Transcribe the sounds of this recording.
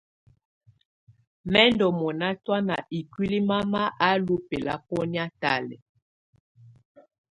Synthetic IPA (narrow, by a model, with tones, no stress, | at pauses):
mɛ˦ndɔ˨mɔ˨na˦twa˦na˨ʔi˨kwi˦li˦ma˦ma˦ʔa˦lu˦pɛ˨la̰˦pɔ˦nja˦ta˦lɛ̰˨